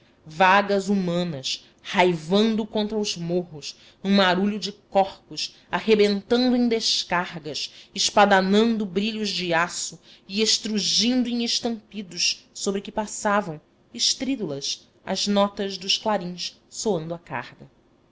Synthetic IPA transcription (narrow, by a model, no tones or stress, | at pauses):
vaɡɐzumɐ̃nɐs | hajvɐ̃nd̪ʊkõnt̪ɾɐuzmoɦʊs | nũmaɾuʎʊd͡ʒɪkɔχpʊs | aɦebẽnt̪ɐ̃nd̪ʊẽj̃d̪eʃkahɡɐʃɪʃpad̪anɐ̃nd̪ʊbɾiʎʊzd͡ʒɪasʊieʃt̪ɾuʒĩnd̪ʊẽŋeʃt̪ɐ̃mpid̪ʊʃsobɾɪkɪpasavɐ̃w̃ | ɪʃt̪ɾid̪ulɐs | ɐ̰znɔt̪ɐzd̪ʊʃklaɾĩʃ | soɐ̃nd̪ʊaka̰hɡɐ